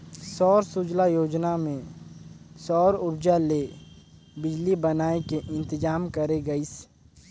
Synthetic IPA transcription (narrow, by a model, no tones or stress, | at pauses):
sɔːɾsʊd͡ʒlajoːd͡ʒnamẽ | sɔːɾʊɾd͡ʒale | bɪd͡ʒlibɐnaːekeʔɪ̃nt̪ɪd͡ʒaːmkɐɾeɡɐis